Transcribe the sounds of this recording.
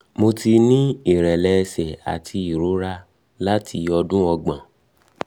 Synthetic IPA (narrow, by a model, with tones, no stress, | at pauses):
mo˧ti˧nĩ˦i˦˨ɾɛ˨lɛ˧sɛ˨a̰˨tʰi˧i˨ɾo˨˦ɾa˧ | la˦tʰi˧ɔ˧dũ˦ɔ˧ɡ͡bã˨